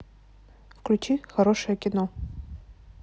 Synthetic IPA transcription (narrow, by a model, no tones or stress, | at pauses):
fklʲut͡ʃʰixɐɾoʂɨjɐkʲɪno